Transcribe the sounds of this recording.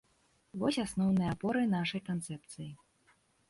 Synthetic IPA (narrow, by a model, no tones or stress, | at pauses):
vɔsʲasnɔwnɨjɐapɔɾɨnaʂɐjkant̪sɛp̚t̪sɨji